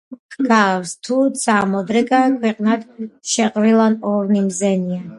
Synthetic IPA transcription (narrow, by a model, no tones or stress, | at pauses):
ɡavst̪ʰud̪sʰʼamɔd̪ɾɛɡakʰwɛqʼnad̪̥ʃɛqʼɾilˠanɔɾnimzɛnia